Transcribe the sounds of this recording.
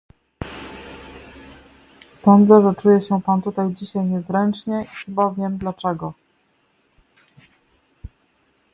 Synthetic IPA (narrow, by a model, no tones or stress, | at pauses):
sɔnd̪zɛʐɛt͡ʂujɛɕɛpant̪ut̪ajd͡ʑiɕajɲɛzɾɛnt͡ʂɲɛʔixɘbavʲjɛmd̪lat͡ʂɛɡɔ